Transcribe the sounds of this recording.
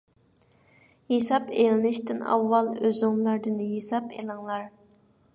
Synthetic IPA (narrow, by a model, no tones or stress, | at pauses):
jesɑpelɪnɪʃt̪ɪnɑ̰wːɑlˠøzuŋmlˠɑɾd̪ɨnjesɑpelɪŋlˠɑɾ